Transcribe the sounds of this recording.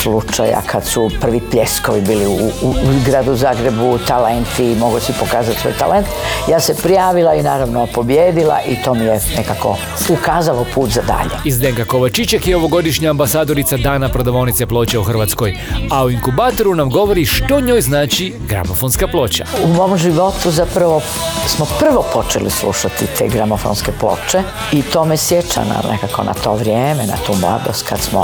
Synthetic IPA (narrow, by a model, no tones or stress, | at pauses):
slut͡ʃa̰ja̰kʰad̪supr̩ʋipleskoʋibiːliuuzɡɾad̪uzaːɡɾebut̪alent̪imoɡosipokaːzat̪sʋo̰jt̪a̰lent̪jaːsepɾijaːʋilainaːɾaʋnopo̞bjeːd̪ilˠa̰ʔit̪o̞mijenekako̞̰ | ukaːzalopuːt̪zad̪a̰ːʎḛizd̪eŋkako̞ʋat͡ʃit͡ʃekjeo̞ʋo̞ɡo̞d̪iʃɲaːmbasaːd̪o̞ɾit̪sad̪aːnapɾod̪oʋo̞nit̪se̞plˠo̞ːt͡ɕeuxr̩ʋaːt̪sko̞jauiŋkubaːt̪o̞ɾunamɡo̞ʋo̞ɾiʃt̪o̞ɲo̞ːjznaːt͡ʃi | ɡɾa̰mofonskaplˠo̞ːt͡ɕa̰umoːmʒiʋo̞t̪uzapɾaʋo | smopr̩ʋopo̞t͡ʃḛlislˠṵʃat̪it̪ʰeːɡɾamofo̰nskeplo̰ːt͡ʃe | it̪oːmesjet͡ʃa̰na̰nḛkakʰo̰na̰t̪oʋɾjeːmena̰t̪uːmlˠa̰d̪ost̪kad̪smo̰